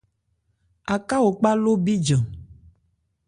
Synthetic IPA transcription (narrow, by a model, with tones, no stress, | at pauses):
a˨ka˦wo˨k͡pa˦lo˦bi˦d͡ʒə̃˨